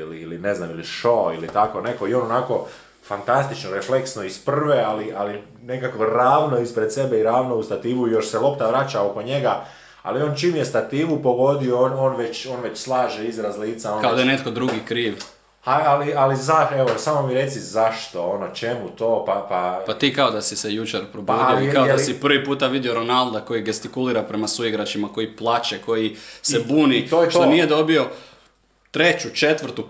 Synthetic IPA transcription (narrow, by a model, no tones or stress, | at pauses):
iliiline̞znamiliʃoilit̪ako̞ne̞ko̞io̞ːnonako̞ | fant̪ast̪it͡ʃnoɾefle̞ksnoispr̩r̩ʋealiʔali | ne̞kakʋoɾaːʋno̞ispɾe̞d̪se̞beiɾaːʋnoust̪at̪iːʋuijo̞ʃselˠo̞pt̪aʋɾat͡ʃaoko̞ɲe̞ɡa | a̰lio̞ːnt͡ʃiːmjest̪at̪iːʋupo̞ɡo̞d̪ioono̞ːnʋe̞t͡ɕo̞ːnʋe̞t͡ɕslˠaːʒeizɾazliːt̪saonkaod̪ajenet̪̚kod̪ɾuɡikɾiːʋ | haalializaeʋosamomiɾe̞t̪sizaʃt̪oonot͡ʃe̞mut̪oːpapapat̪iːkaod̪asisejut͡ʃeɾpɾobodioikaod̪asipr̩ʋipuːt̪aʋid̪io̞ɾo̞nalˠd̪ako̞jiɡest̪ikuliːɾapɾe̞masuiɡɾat͡ʃimako̞jiplˠaːt͡ʃeko̞jise̞buːnitoʃt̪onije̞d̪o̞bio̞ | t̪ɾe̞t͡ɕut͡ʃe̞t̪ʋr̩ɾt̪u